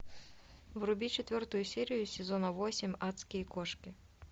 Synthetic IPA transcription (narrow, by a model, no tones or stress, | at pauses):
vrʊbʲit͡ʃɛt̪vʲɔrt̪ʊjusʲɛɾɨjusʲɛzɔnɐvɔsʲɛmʲat̪skʲijɐkɔʂkʲi